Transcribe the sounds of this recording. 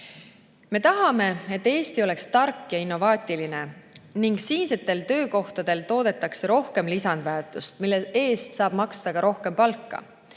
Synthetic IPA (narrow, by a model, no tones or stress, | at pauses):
me̞t̪ɑɦɑme̞e̞t̪ːe̞ːst̪iole̞kst̪ɑrkːjɑinːo̞vɑːt̪ʲiline̞niŋɡ̥siːnset̪ːˑe̞lt̪ø̞ːko̞ht̪ɑd̪̥e̞lt̪o̞ːd̪̥e̞t̪ːˑɑkseɾo̞hke̞mlisɑnd̪̥væːrt̪ːˑust̪milːee̞ːst̪sɑːb̥mɑksd̪̥ɑkɑɾo̞hke̞mpɑlkːɑ̰